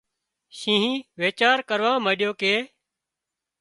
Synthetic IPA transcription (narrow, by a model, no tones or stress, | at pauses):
ʃĩːɦĩːʋeːt͡ʃaːɾkəɾʋãːməɗjoːkeː